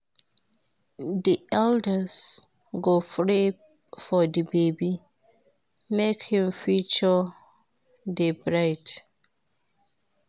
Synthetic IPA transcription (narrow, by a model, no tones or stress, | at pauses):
diʔɛldəs | ɡofɹeb̚ | fɔdəbebi | mekhĩmfit͡ʃɔ | debɹaɪt